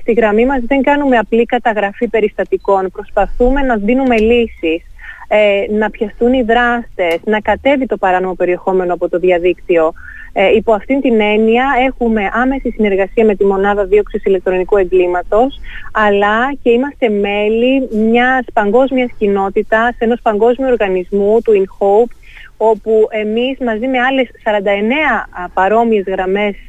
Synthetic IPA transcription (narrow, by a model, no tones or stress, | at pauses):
st̪iɣɾɐmimɐzðe̞ŋɡɐnume̞ɐplikɐt̪ɐɣɾɐfipe̞ɾist̪ɐt̪iko̞npɾo̞spɐθume̞nɐðinume̞lisisenɐpçɐstuniðɾɐst̪e̞znɐkɐt̪e̞vit̪o̞pɐɾɐno̞mo̞pe̞ɾie̞xo̞me̞no̞ɐpo̞t̪o̞ðjɐðikt̪io̞ | ipo̞ɐft̪int̪ine̞niɐe̞xume̞ʔɐme̞sisine̞ɾɣɐsiɐme̞t̪imo̞nɐðɐðio̞ksisile̞k̚t̪ɾo̞nikue̞ŋɡlimɐt̪o̞sɐlɐce̞imɐst̪e̞me̞limɲɐspɐŋɡo̞zmiɐscino̞t̪it̪ɐse̞no̞spɐŋɡo̞zmiuoɾɣɐnizmut̪uinxo̞wp | o̞pue̞mizmɐzime̞ɐle̞sːɐɾɐnd̪ɐene̞ɐpɐɾo̞mie̞zɣɾɐme̞s